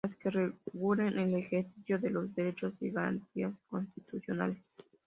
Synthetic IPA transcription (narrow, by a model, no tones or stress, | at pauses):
askereɣulenʔelexeɾθiθjoðelozðeɾet͡ʃosiɣaɾa̰nt̪iasko̞nst̪it̪uθjona̰les